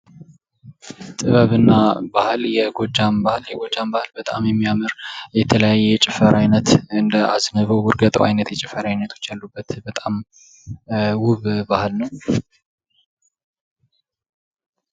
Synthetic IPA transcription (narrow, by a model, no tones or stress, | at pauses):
t̪ʼɨβəβɨnːabahljɛɡod͡ʒːambahljɛɡo̞d͡ʒːambahɨlbət̪ʼa̰mjɛmːijamɨɾjɛt̪ʰələjajːɛɛt͡ʃʼɪfəɾʔajnət̪ɨnd̪əʔa̰znəβəwːʊɾɡət̪ʼəwʔa̰jnət̪jɛt͡ʃʼɪfəɾajnət̪ʰo̞̥t͡ʃːjalːubːət̪bət̪ʼam | wʊβbahɨlnəw